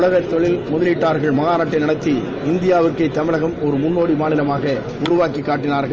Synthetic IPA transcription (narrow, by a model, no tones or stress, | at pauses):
ɭɐɣɐt̪ːɔɭɪlmʊðɐlɪʈːaːɾɣɐɭmɐɣaːnɐʈːɐɪnɪɽɐt̪ːi | ɪnd̪ɪjaːʋɯrkːɐɪt̪ːɐmɪlɐɣɐmɔɾɯmʊnːoːɽimaːnɪlɐmaːɣɐ | ʊɾʊʋaːkɪkːaːʈːɪnaːɾɣɐɭ